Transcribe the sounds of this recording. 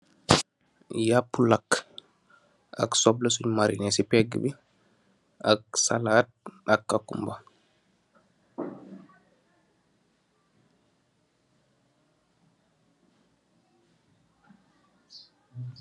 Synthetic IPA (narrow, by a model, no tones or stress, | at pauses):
japːulak | ʔa̰ksɔblasuɲmaɾḭnɛsipɛɡɛ̰bi | ʔaksa̰lat̚ʔakːakːumba